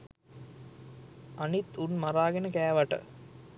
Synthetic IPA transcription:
anit̪unmaɾaːɡenəkæːʋaʈə̰

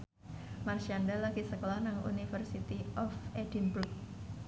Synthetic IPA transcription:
marʃandalaɡisəkolahnaŋṵnifərsit̪iɔfedinbut̚

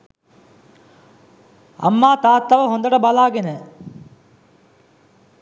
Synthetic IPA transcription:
ɐ̰mːaːt̪aːt̪ːɐʋɐɦond̪ɐʈɐbɐlaːɡenə

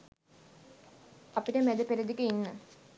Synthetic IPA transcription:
ɐpiʈəmæd̪əpeɾɐd̪ikəinːə

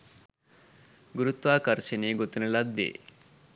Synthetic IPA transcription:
ɡuɾut̪ʋaːkɐɾʃɐneːɡot̪inɐlɐd̪ːḛː

